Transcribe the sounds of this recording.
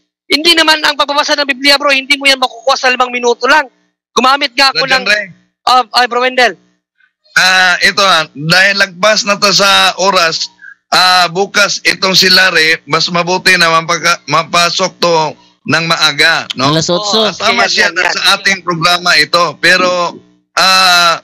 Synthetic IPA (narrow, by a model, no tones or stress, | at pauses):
hɪnd̪inɐmanɐŋpɐɡ̚bɐbasanɐŋbiblɪabɾohɪnd̪imʊjanmɐkʊkuːhasɐlɪmaŋmɪnuːt̪olaŋ | ɡ̥ʊmaːmɪt̪̚ŋaʔɐkolaŋɛ | ʔoʔajbɾowɛnd̪ɛl | ʔaʔɛt̪o̞had̪aːhɪlːɐɡ̚pasnɐt̪os̬ɐʔoːɾɐsʔaːbuːkɐsɪt̪o̞ŋsɪlaɾɛmɐsmɐbuːt̪ɪnɐmɐpakamɐpasok̚t̪o̞ | nɐŋmɐʔaːɡanosaːmɐsɪjanɐsɐʔaːt̪ɪŋpɾoɡɾaːmɐʔɪt̪o̞pɛːɾo̞ | ʔaː